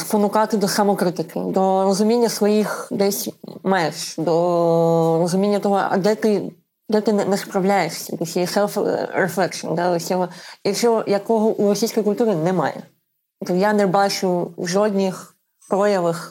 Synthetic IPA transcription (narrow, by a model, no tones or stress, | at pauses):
spɔnʊkɑt̪ɪd̪ɔsɐmɔkɾɪt̪ɪkʰɪ̰d̪ɔrɔzʊmʲinʲːɐsʋɔjixd̪ɛsʲmajeʃd̪ɔ | rɔzʊmʲinʲːɐt̪ɔɦɔʔɐ̰d̪ɛt̪ɪ | d̪ɛt̪ɪnɛnɛspɾɐwlʲajeʂsʲɐ̰d̪ɔsʲijisɛlˠfɾeflˠɛkʃɔ̰nd̪aɔsʲɔɦɔt͡ʃʲɔɦɔjɐkɔɦɔʔurɔsʲijsʲkɔjkʊlʲt̪uɾɪnɛmɑ̰jɛ̰ | t̪ɔjanɛbɑt͡ʃʊwʒɔd̪ʲnʲix | pɾɔjɐʋɐx